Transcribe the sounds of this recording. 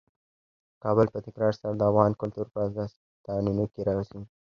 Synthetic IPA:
kɑbəlpət̪ɪkɾɑɾsaɾad̪əavɣɑnkʊlt̪uɾpəasɑs | t̪ɑnunokeɾɑwasi

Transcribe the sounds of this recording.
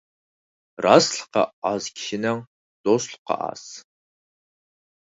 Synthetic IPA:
raːsɬqɐ̰aːzkʲʃɪnɐŋ | d̥osɬqɑ̰ʔa̰ːs

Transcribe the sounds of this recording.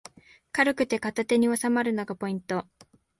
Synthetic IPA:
kaɾɯ̟kɯ̟t̪e̞kat̪at̪e̞ɲ̟io̞samaɾɯ̟no̞ɡapo̞ĩnt̪o̞

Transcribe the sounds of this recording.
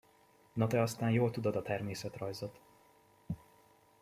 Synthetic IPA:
nɒt̪ɛɒst̪aːnjoːlt̪ud̪od̪ɒt̪ɛrmeːsɛt̪rɒjzot̪

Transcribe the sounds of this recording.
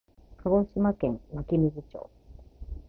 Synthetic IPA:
kʰaɡoɕimakẽ̞mmakʲimʲizit͡ɕo̰ː

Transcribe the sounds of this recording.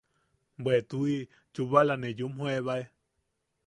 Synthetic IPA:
mbwet̪ui | t͡ʃuβalanẽjumhõeβae

